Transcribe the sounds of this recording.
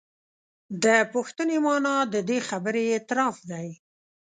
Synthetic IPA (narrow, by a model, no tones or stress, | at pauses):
d̪əpʊxt̪ənemɑnɑd̪əd̪exabəɾeːt̪ɪɾɑfd̪aj